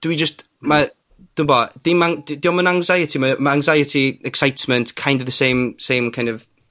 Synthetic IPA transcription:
d̥əwid͡ʒəst | ma | d̥ʊmbɔd̥imaŋddiɔmənaŋzajətʰimamaaŋzajətʰiɛksajtʰməntkʰajndɔvðəsejmsejmkʰãj̃ndɔv

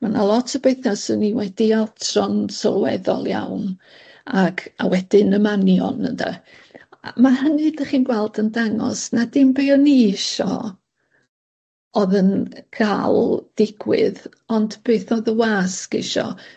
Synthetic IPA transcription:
manalˠɔtʰəbejθasəniwɛdialˠtʰrɔnsɔlˠwɛðɔ̰lˠja̰wn | akʰawɛd̥ɪnəmanjɔ̰nənda̰ | maɦənɨdəχiːnɡwɛlˠdəndaŋɔ̰snadɪmbeɔniɪʃɔ̰ | ɔðənkʰaːlˠd̥ɪɡwɪ̰ð | ɔndb̥eːθɔðəwaːskɪ̰ʃɔ̰

